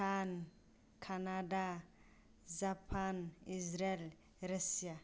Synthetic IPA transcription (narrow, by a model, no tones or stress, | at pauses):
an | kʰanad̪a | zapʰanizɾel | ɾasia